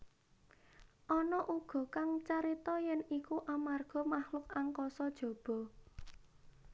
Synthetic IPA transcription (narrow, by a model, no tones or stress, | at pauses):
ʔɔnɔʔuɡ̥ɔ̤kaŋt͡ʃaɾit̪ɔjɛnikuʔamarɡ̥ɔ̤mahlʊkaŋkɔsɔd̥ʒ̥ɔ̤b̥ɔ̤